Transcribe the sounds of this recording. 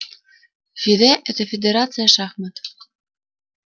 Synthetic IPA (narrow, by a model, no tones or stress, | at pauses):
fid̪eʔɘt̪efʲed̪ʲeɾɑt͡sɨjɑʃɑxmɤ̆t̪